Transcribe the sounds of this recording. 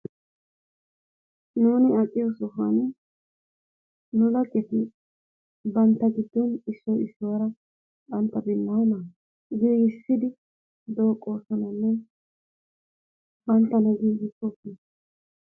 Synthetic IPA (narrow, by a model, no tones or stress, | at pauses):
nuːnɪɐkʼːɪjɔsɔfɐ̰n | nʊlɐkʼːɛt̪ɪ | bɐnt̪ːɐɡɪd̪ːɔnɪʃːɔwɪʃːʊwɐɾɐ | bɐnt̪ːɐbɪnːaːna | ɡiːɡɪssːɪd̪ɪ | d̪o̞ːkʼːo̞ːsɔnɐnːɛ | bɐnt̪ːɐnɐɡiːɡɪtʼːɔkːi